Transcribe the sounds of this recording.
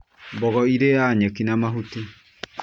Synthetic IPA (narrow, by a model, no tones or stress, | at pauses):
mbɔɣɔiɾejaɲɛkinamaɦuti